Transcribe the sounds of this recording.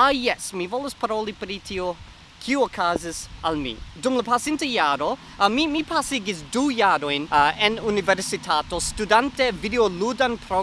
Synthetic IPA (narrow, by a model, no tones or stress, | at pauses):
ajɛsmivolospaɾolipɾitʰio | kʰiuokʰazisalmḭdumlɐpasintəjaɾo | mimipʰasiɡisdujaɾojnenuniveɾsitʰatostudantevideoludanpʰɾo